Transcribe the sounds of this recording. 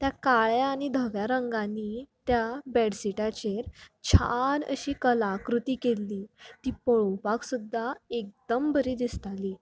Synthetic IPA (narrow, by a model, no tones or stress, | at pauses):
t̪jakaɭjaːɽ̃id̪ʱəɡjaɾəŋɡãnːit̪jabɛɽsiʈat͡ɕeɾt͡ɕʰa̰nə̰ɕiːkəlakɾut̪iːkelːiːt̪iːpəɭowpaksud̪ːaek̚d̪əmbəɾiːd̪ist̪aliː